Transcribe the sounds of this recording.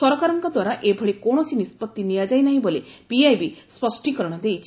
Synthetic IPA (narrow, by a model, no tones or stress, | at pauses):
sɔɾɔkaɾɔŋkɔd̪waɾaʔebʱɔɭekoɽ̃ɔsinispɔt̪ːinijad͡ʒajnaɦĩbolepiajbispɔsʈikɔɾɔɽ̃ɔd̪ejt͡ʃʰi̥